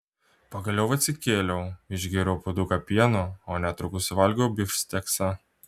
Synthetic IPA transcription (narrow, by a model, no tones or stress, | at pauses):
pɐɡɐlʲɛʊʋɐt̪sʲɪkʲeːlʲɛʊɪʒʲɡʲiɾʲoʊpod̪ukɐpʲiɛnoonʲɛt̪ɾʊkʊsʲʋɐlʲɡʲoʊbʲɪfʲsʲt̪ʲɛksɐ